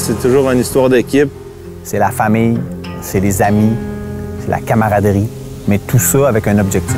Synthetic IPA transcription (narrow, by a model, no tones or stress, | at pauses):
sɛt̪uʒuːʁynist̪waʁd̪ekʲip̚ | sɛlafamijsɛlezamisɛla̰kamaʁad̪ʁi | mɛt̪ʰusɔavɛkɛ̃nɔbʒɛk̚t̪